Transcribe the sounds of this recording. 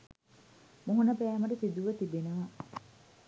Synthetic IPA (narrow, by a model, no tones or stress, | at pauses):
muɦunɐpeæːmɐʈɐsid̪uʋɐt̪ibenɐʋa